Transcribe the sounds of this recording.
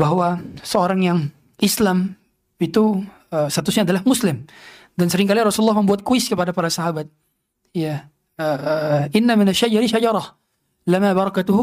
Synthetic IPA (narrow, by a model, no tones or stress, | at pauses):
baɦwasəoɾaŋjaŋ | ʔɪslam | it̪u | əst̪at̪usɲaːdalahmʊslɪm | dansəɾɪŋkaliɾɔsululːɑhməmbuat̪̚kuɪskəpadapaɾasaɦabat̪̚ | ja | əɪnːamɪnaʃːad͡ʒɑɾiʃad͡ʒɑɾˤɑh | lamabɑɾˤɑkat̪ʊɦʊ